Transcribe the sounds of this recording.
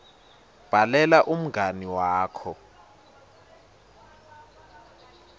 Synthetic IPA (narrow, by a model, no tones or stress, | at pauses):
b̥ʱalɛlaʔum̩ɡʱaniwaːkʰɔ